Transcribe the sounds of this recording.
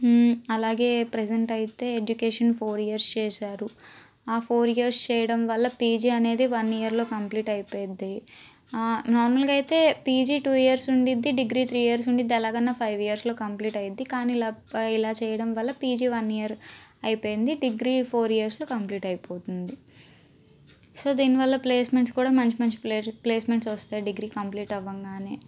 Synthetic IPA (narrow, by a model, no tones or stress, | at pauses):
ɐlaːɡe̞ːpɾɛd͡ʒeɳʈɐjit̪e̞ːed͡ʒukeːʂɐnpʰoːɾijɐɾst͡ʃɛːsaːɾu | aːpʰoːɾijɐɾst͡ʃɛːjɐɽɐmʋɐlːɐpiːd͡ʒiːɐne̞ːd̪iʋɐnːiːjɐɾlo̞ːkɐmpliːʈɐjipoːjd̪e | naːɾmɐlɡaːɐjit̪e̞ːpiːd͡ʒiːʈuːijɐɾsuɳɖid̪ːiɖiɡɾiːt̪ʰɾiːijɐɾs̬uɳɖid̪ːiɐlaːɡɐnːɐpʰɐjʋijɐɾslo̞ːkɐmpliːʈɐjid̪ːikaːnilaːilaːt͡ʃɛːjɐɽɐmʋɐlːɐpiːd͡ʒiːʋɐnːijɐɾɐjipoːjind̪iɖiɡɾiːpʰoːɾijɐɾslo̞ːkɐmpliːʈɐjipo̞ːt̪und̪i | so̞ːd̪iːniʋɐlːɐpleːsme̞ɳʈskuːɽaːmɐɲt͡ʃimɐɲt͡ʃi̥ple̞ːsme̞ɳʈs̬ɐst̪aːjiɖiɡɾiːkɐmpliːʈɐʋːɐŋɡaːneː